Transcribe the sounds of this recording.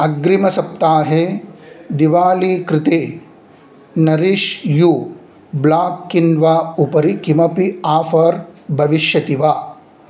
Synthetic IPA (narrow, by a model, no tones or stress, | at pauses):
ɐɡɾimɐsɐp̚t̪aːɦe | d̪iʋaːliːkɾɪt̪eː | nɐɾiʃju | blaːkːinʋaːupɐɾikimɐpiaːfɐɾbʱɐʋiʃjɐt̪iʋaː